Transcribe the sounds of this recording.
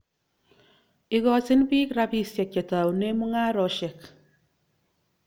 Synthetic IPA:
ɪ˨ɣɔ˨sɪ˦nbi˦kɾa˦bi˦sjɛ˨ke˨ta˨wne˦mu˦ŋa˦ɾɔ˨ʃɛ˨k

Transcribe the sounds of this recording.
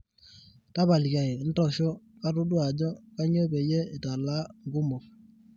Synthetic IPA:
ta˦ba˨li˨ka˨i˨˦n̩˦tɔ˨ʃɔ˦ka˦tʊ˦du˦a˨d͡ʒɔ˦ka˦ɲo˦be˨jɛ˦ɪ˨ta˨la˦ŋ˨ɡʊ˦mʊ˨f

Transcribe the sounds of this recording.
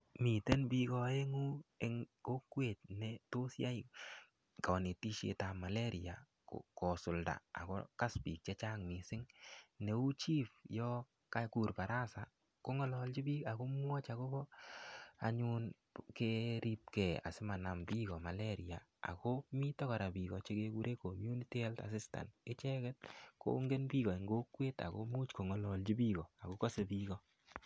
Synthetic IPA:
mi˨te˦nbi˦kɔ˧e˦ŋu˦e˦ŋko˦kwe˨t̚nɛ˨to˦sja˦j | kɔ˨ne˨ti˦ʃḛ˨tama˨le˦ɾi˨a̰˨ | ko̰kɔ˨sʊ˨lda̰˨a̰˨ko̰˦ka˦spi˨k̚t͡ʃe˦t͡ʃa˦ŋmi˨sɪ˦ŋnɛ˨u˦t͡ʃi˦pjɔ˦ | ka˦ku˨ɾpa˨ɾa˦sa˨ | ko˦ŋɔ˦lɔ˨lt͡ʃi˦bi˦ka˨ko˦mwɔ˦t͡ʃa˨ko˦bɔ˦ | a̰˦ɲu˦n | ke˦ɾi˦p̚kɛ˨a̰˨sɪ˦ma˨na˨mbi˦kɔ˨ma˨le˦ɾia˨ | a̰˨ko˦mi˦tɔ˦kɔ˨ɾa˨bi˨ɣɔ˨t͡ʃe˦ke˦ku˦ɾʔe˦ko˨mju˦ni˦ti˦ɛ˦lta̰˨sɪ˦sta̰˨ntɪ˦t͡ʃɛ˦kɛ˦t̚ko̰˦ŋɡe˦nbi˦ɣɔ˨ɪ˨ŋɡo˦kwe˦ta̰˨ko̰˦mu˦t͡ʃko˨ŋɔ˨lɔ˨lt͡ʃi˦bi˦ɣɔ˨a˨ko˦kɔ˦se˨bi˦ɣɔ˦

